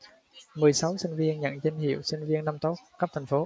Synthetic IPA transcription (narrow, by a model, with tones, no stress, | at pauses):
mɨ˨˩əjsa˨˦wsï˧ŋ̟vi˧ənɲə̰˧˨nt͡ɕe˧nɦḭ˧˩˨əwsï˧ŋ̟vi˧ənːa˧mt̪o˦˥t̚kaː˦˥pt̪ʰŋ̟fo˨˦